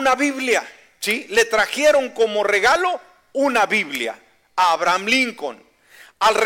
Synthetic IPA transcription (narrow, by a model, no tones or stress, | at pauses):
naβiβlja | t͡ʃile̞t̪ɾaxje̞ɾo̞ŋkomore̞ɣalo̞ | unaβiβlja̰ | aːβɾamliŋko̰n | alr